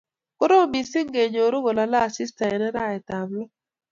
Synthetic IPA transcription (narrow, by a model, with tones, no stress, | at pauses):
ko˦ɾo˦˨mi˨sɪ˦ŋɡe˨ɲo˨ɾo˦ɡo˨la˨laː˦˨si˦sta˨e˨nɛ˦ɾa˦˨ɛ˨t̪a˨mlɔ˦